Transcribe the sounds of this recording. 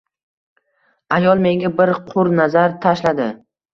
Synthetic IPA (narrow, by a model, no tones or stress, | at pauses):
ajɒlˠme̞ŋɡʲabɪɾqʰʊɾnazaɾt̪ʰaʃlad̪ɪ